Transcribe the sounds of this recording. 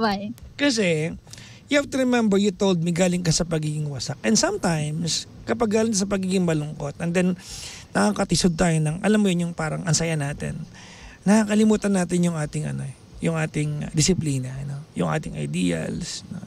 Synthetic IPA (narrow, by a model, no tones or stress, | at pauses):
bajkɐs̬ɛ | jʊhaft̪ʊɾɪmɛ̃mbɛɹjʊt̪owld̪̚miɡaːlɪŋkɐsɐpɐɡiːɡɪŋwɐsak̚ʔɛnd̪sɐmt̪ajms | kɐpɐɡːaːlɪŋk̪ɐs̬ɐp̬ɐɡiːɡɪŋmɐlʊŋko̞t̪̚ʔɛnd̪ɛnnɐakɐt̪ɪsod̪̚t̪aːjonɐŋʔɐ̰lamːojonjʊŋpaːɾɐŋʔɐnsɐjanaːt̪ɪ̰nː | ɐhakɐlɪmuːt̪ɐnːaːt̪ɪnjʊŋʔaːt̪ɪŋɐ̰no̞ɛ | jʊŋʔa̰ːt̪ɪŋd̪ɪsɪpliːnɐno̞jʊŋʔa̰ːt̪ɪŋɐ̰jd̪iːɐ̰lsno̰